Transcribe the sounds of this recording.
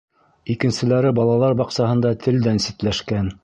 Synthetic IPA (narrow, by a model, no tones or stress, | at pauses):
ikɘ̆nsɘ̆læɾɘbɑlˠɑlˠɑɾbɑqsɑɦɤ̆nd̪ɑt̪ʰɘ̆ld̪ænsit̪læʃkæn